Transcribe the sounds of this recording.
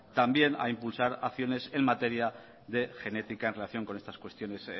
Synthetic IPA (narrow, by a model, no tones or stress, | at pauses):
t̪ambje̞na̰impulsaɾaθjo̞ne̞se̞nmat̪e̞ɾja | ðe̞xe̞ne̞t̪ikaenrelaθjo̞ŋko̞nest̪askwe̞st̪jo̞ne̞s